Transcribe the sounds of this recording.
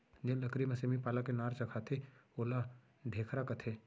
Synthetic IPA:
d͡ʒẽːlɐkɾimɐsemipaːlakenaːɾt͡ʃɐkʰat̪ʰeoːla | ɖʱeːkʰɾakɐt̪ʰeː

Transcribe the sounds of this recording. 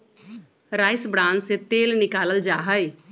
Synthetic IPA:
ɾaːɪsbɽãːnd͡ʒset̪eːlnɪkaːləld͡ʒaːɦəj

